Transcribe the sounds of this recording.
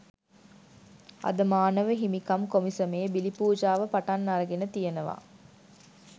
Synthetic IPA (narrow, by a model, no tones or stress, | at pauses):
a̰d̪əmaːnəʋəɦimikamkomisəmeːbilipuːd͡ʒaːʋəpaʈanːaɾəɡenət̪ijənəʋa̰